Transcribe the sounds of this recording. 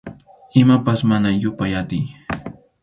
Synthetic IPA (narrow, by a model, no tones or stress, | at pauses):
ɪmapasmanajʊpajat̪ɪj